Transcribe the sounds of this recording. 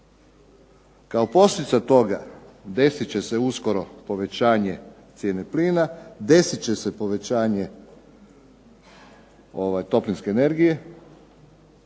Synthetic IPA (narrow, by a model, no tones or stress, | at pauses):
kaopo̞st̪it̪sat̪o̞ɡa̰d̪e̞sit͡ɕe̞se̞usko̞ɾo̞po̞ʋe̞t͡ɕaːɲe̞t̪sʲjeːnepliːnad̪e̞sit͡ɕe̞se̞po̞ʋe̞t͡ɕaːɲe̞ | o̞ʋajt̪o̞plinske̞ːne̞ɾɡije̞